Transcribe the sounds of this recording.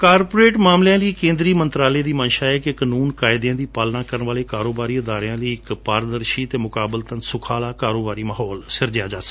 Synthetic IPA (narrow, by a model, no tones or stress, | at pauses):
kaːɾpoːɾeːʈmaːmlɪjãːləiːkẽːnd̪ɾiːmənt̪ɾaːleːd̪iːmənʃaːɛːkekənuːnkaːɪd̪jãːd̪iːpaːlnaːkəɾnʋaːleːkaːɾoːbaːɾiːʊd̪aːɾjãːləiːɪkpaːɾd̪əɾʃiːt̪eːmʊkaːbəlt̪ənsʊkʰaːlaːkaːɾoːbaːɾiːməɦɔːlsɪɾd͡ʒɪjaːd͡ʒaːsə̥